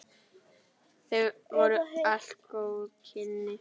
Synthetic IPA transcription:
θevɔɾʏaɬt̪kowʏkʰɪnːɪ

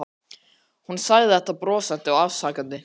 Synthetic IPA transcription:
hunsaːɣðɪɛht̪apɾɔːsant̪ɪawavsaːkant̪ɪ

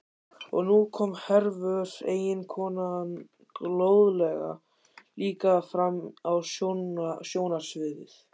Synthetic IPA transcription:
ɔ̰ɣnukʰɔmhɛɾvœɾ̥eːjɪnkʰɔːnan | loːwðlɛɣa̰ | liːkafɾamːaws | sjoːwnaɾ̥svɪːðɪ̰θ

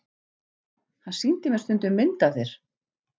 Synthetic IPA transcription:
hansint̪ɪmɛ̥st̪ʏnt̪ʏmːɪnt̪aθeɾ̥

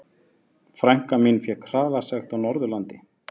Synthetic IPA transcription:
fɾaŋ̥kaminfjɛkʰɾ̥aːvḁsɛxt̪awnɔɾðʏlant̪ɪ

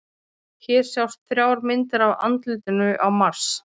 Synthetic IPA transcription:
çɛɾ̥sjawst̪θɾjaːwɾmɪnt̪ɪɾava̰nt̪lɪt̪ɪnʏʔawmaɾ̥s

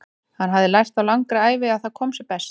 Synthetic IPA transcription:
hanːɦavðɪlajst̪awlaŋkɾaaːjvɪaðθaðkʰɔːmsɛpɛst̪

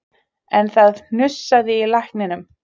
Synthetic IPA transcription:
ɛnθaðnn̥ʏsːaðɪilahknɪnʏm

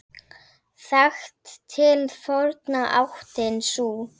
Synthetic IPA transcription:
θaxt̪ʰːɪlθɔɾt̪naʔa̰wht̪ɪnsuː

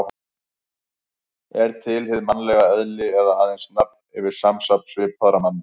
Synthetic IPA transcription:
ɛɾ̥t̪ʰɪlɦɪðmanlɛɣaœðlɪɛðaaːðejnsnap̚nɪvɪɾ̥samsapsvɪphaðɾamanː

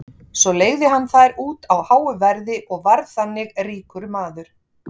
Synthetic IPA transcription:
sɔleːɣðɪɦanːθaðɾuːt̪awhaːwʏvɛɾðɪʔɔɣvaɾðθanːɪɣriːkʏɾmaːðʏɾ̥

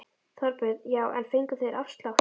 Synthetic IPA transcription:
θɔɾpʏðjaːwʔɛ̰nfejŋkʏθeðɾʔafst̪lax

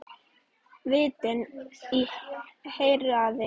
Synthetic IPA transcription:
vɪːt̪ɪni | hejɾaðɪ

